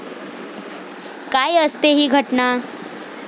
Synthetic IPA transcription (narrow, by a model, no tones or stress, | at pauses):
kajəst̪eɦiɡʱəʈna